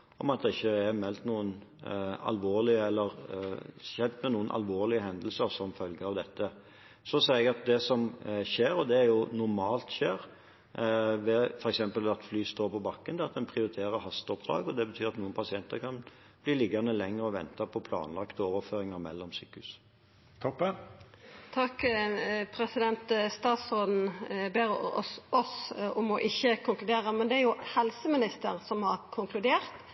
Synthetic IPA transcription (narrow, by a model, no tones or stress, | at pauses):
ɔmɑt̪̚d̪ɛɪçːəæɾmɛlt̪nuːənɑ̰lʋoːɾlɪəɛlːəɾ | ʃɛnt̪mɛnuːənʔɑ̰lʋoːlɪəɦɛnd̪əlsəɾsɔmfœlɡəɑʋd̪ɛt̪ːə | sɔsɛːɛɡɑt̪̚d̪ɛsɔmʃeːɾɔd̪ɛæɾjʊnʊɾmɑːlt̪ʃeːɾ | ʋɛfɔɾɛksɛmpəlʋɑt̪flyːst̪oːɾpɔbɑkːənd̪ɛɑt̪d̪ɛnpʰɾɪʊɾɪt̪ʰeːɾəɾhɑst̪ɔpd̪ɾɑ̰ːɡɔd̪ɛbət̪ʰyːɾɑt̪nuːənpʰɑsɪɛnt̪əɾkʰɑn | b̥liːlɪɡɑnəlɛŋʁəɔʋɛnt̪ɑpʰɔpʰlɑ̰ːnlɑkt̪əoːʋəɾføːɾɪŋəɾmɛ̰lːɔmsy̰ːkhʉs | t̪ʰɔp | t̪ʰɑk | pʰɾɛsɪd̪ɛnt̪st̪ɑːt̪soːd̪n̩beːɾɔsɔmɔʔɪçːəkʰʊŋklʉd̪eːʁəmɛnd̪ɛæɾjʊhɛlsəmɪnɪst̪əɾsɔmhɑɾkʰʊŋklʉd̪eːʁt̪